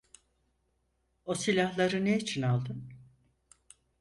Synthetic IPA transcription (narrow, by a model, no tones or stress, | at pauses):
o̞silʲahlˠaɾɯneit͡ʃʰinalˠd̪ɯn